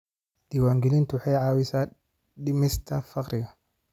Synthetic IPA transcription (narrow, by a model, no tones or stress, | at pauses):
d̪̥iwaːŋɡiliːnt̪ʊwħɛjʕaːwɪsaː | ɗɪmɪst̪ʰɐfɐqɾɪɡɐ